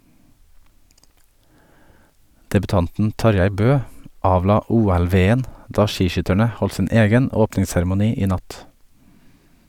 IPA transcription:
dɛbʉˈtɑntn̩ ˈtɑɾjæɪ ˈbøː ˈɑːʋlɑː ˈuːɛlˌʋeːən ˈdɑː ˈʃiːˌʃʏtæɳə ˈhɔl ˈsɪn ˈeːɡən ˈoːpnɪŋsæɾmʊˌniː ˈiː ˈnɑt

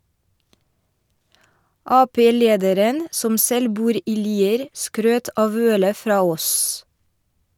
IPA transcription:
ˈɑːˌpeː ˈleːdəɾən ˈsɔm ˈsɛl ˈbuːɾ ˈiː ˈliːəɾ ˈskɾøːt ˈʔɑːʋ ˈœlə ˈfɾɑː ˈoːs

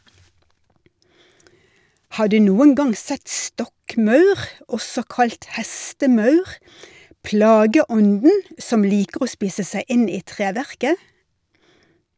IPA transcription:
ˈhɑː ˈɖʉː ˈnuːən ˈɡɑŋ ˈsɛt ˈstɔkˌmɑʉʁ ˈɔsɔ ˈkɑʎt ˈhæstəˌmɑʉʁ ˈpɽɑːɡəˌɔndn̩ ˈsɔm ˈliːkəʁ ˈoː ˈspiːsə ˈsæɪ ˈɪn ˈiː ˈtʁeːʋæʁkə

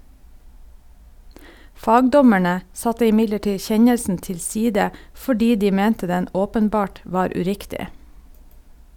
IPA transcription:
ˈfɑːɡdɔmæɳə ˈsɑtə ɪˈmɪɟləˌʈiː ˈçɛɲəlsn̩ tɪlˈsiːdə fɔˈɖiː ˈdiː ˈmɛntə ˈdɛn ˈoːpənˌbɑːʈ ˈʋɑːɾ ʉˈɾɪktɪ

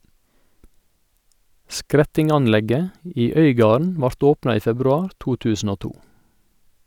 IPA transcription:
ˈskɾɛtɪŋɑnˌlɛɡə ˈiː ˈœʏˌɡɑːɳ̩ ˈʋɑɾt ˈoːpnɑ ˈiː fɛbɾʉˈɑːɾ ˈtuː ˈtʉːsn̩ ˈoː ˈtuː

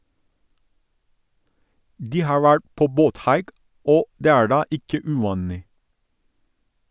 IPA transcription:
ˈdiː ˈhɑːɹ ˈʋæɹʈ ˈpoː ˈboːtˌhɑɪk ˈoː ˈdeː ˈæːɹ ˈɖɑː ˈʔɪkə ʉˈʋɑːnɪ

